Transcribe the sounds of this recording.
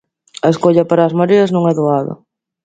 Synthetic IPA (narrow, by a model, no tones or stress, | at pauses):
ɐeskoʎɐpaɾɐːzmaɾiɐznõŋɛðoaðɐ̰